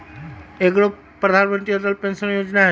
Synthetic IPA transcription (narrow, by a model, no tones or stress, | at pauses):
eɡɾo | pːɾəd̪ʱanmə̃nt̪ɾid̪əlpẽnsənjoːd͡ʒnaɦ